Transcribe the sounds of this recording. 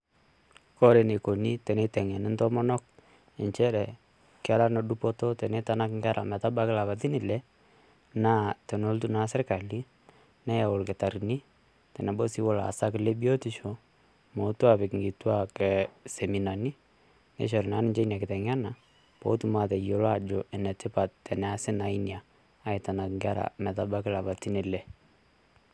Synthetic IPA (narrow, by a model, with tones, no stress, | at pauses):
kɔ˦ɾe˨ne˨ko˨ni˦tɛ˨nɛ˦tɛ˨ŋɛ˨nɪ˦ntɔ˦mɔ˦nɔ˦k̚ | ɛ˨ɲt͡ʃɛ˦ɾɛ˨ | kɪa˦ɾa˦nɔ˨ɗu˦pɔ˦tɔ˦tɛ˨nɛ˦ta˦na˦kŋɡa˦ɾʔa̰˨mɛ˨ta˦ba˦kɪ˦la˨ba˨ti˦ni˨lɛ˦ | na˦tɛ˨no˦ltu˦na˦sɛ˦rka˨li˦ | nɛ˦ja˨ʊ˨lkɛ˨ta˨ɾi˨ni˦ | tɛ˨nɛ˨bo˦si˦wɔ˦la̰˨sa˦kɪ˨le˦bi˦o˦ti˨ʃɔ˨ | mo˨tu˦a˨pɛ˨kŋɡi˨twa˦kɛ˨sɛ˨mi˨na˨ni˦ | nɛ̰˦ʃ̬ɔ˨ɾna˦nɪ˦ɲd͡ʒɛ˦na˨kɪ˨tɛ˨ŋa˦na˨ | pɔ̰˨˦tu˨ma˨tɛ˨jo˨la˦d͡ʒɔ˨ɛ˨nɛ˨tɪ˦pa˨ttɛ˨nɛ˨asɪ˦na˨˦injaː˨˦ | ɪ˨ta˨na˨kŋɡa˦ɾa̰˨mɛ˨ta˦ba˦kɪ˦la˨ba˨ti˦ni˨lɛ˨